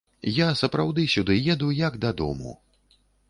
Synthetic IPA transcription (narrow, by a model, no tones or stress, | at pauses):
jasɐpɾawd̪ɨsʲud̪ɨjɛd̪ujɐɡd̪ɐd̪ɔ̰mṵ